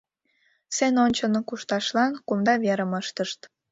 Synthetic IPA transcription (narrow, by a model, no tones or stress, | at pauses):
senonʲt͡ɕənokuʃt̪ɑʃlɑnkumd̪ɑβeɾəməʃt̪əʃt̪